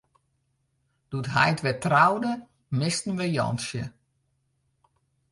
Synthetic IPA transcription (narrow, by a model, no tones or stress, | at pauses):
d̥utɦajtʋɛtrawdə | mɪstn̩ʋəjɔ̰nsjə̰